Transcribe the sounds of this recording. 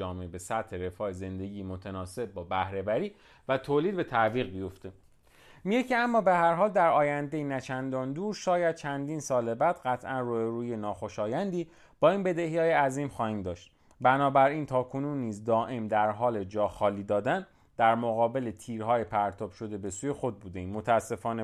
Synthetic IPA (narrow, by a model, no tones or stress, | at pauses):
ɒːmeebe̞sæt̪he̞ɾe̞fɒːeze̞nd̪e̞ɟiːmot̪ʰenɒːse̞b̚ːɒːbæhɾe̞bæɾiː | væt̪ʰoːliːd̪̚be̞t̪ʰæviːɣbijo̞ft̪ʰe̞ | miɟecʰeæmːɒːbe̞hæɾɦɒːld̪æɾɒːjænd̪e̞jinæt͡ʃʰænd̪ɒːnd̪uːɾʃɒːjæd̪̥̚t͡ʃʰænd̪iːnsɒːle̞bæːd̪ɢæt̪ʰʔænruːbeɾuːjenɒːxo̞ʃɒːjænd̪iː | b̥ɒːiːnbe̞d̪e̞hjɒːjeæziːmxɒːhiːmd̪ɒːʃt̪̚ | bænɒːbæɾint̪ʰɒːkʰo̞nunːiːzd̪ɒːʔemd̪æɾɦɒːle̞d͡ʒɒːxɒːliːd̪ɒːd̪æn | d̪̥æɾmoɣɒːbe̞le̞t̪ʰiːɾɦɒːjepʰæɾt̪ʰɒːb̥ʃo̞d̪e̞be̞suːje̞xo̞d̪̚buːd̪eimot̪ʰææsːe̞fɒːne